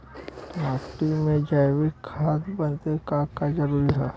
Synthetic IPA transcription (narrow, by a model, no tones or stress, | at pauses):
maːkʈimẽd͡ʒajʋɪkʰːaːt̪bɐnt̪ekaːkad͡ʒɐɾuːɾiɦaː